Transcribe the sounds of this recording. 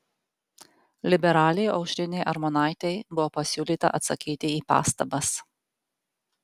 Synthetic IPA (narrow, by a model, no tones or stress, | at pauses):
lʲɪbʲɛɾɑːlʲɛjʔɐʊʃʲɾʲɪnʲɛɪʔɐɾmɔnɑˑɪt̪ʲɛɪbʊʋoːpɐsʲuːlʲiːˑt̪ɐ̰ʔɐt̪sɐkʲiːt̪ʲɪiːpɑ̰ːst̪ɐbɐs